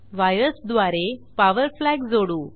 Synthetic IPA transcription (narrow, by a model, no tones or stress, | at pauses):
ʋajɾəsd̪ʋaɾepaʋəɾflæɡd͡zoɽuː